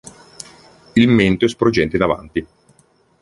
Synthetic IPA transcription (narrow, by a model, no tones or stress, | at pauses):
ilment̪oɛspɾod͡ʒɛnt̪einava̰nt̪i